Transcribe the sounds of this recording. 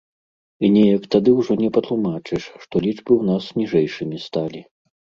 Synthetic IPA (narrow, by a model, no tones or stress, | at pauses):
inʲɛjɐkt̪ad̪ɨwʐɔnʲɛpɐt̪lˠumat͡ʂɨʂʂt̪ɔlʲiʐbɨwnasnʲiʐɛjʂɨmʲist̪alʲi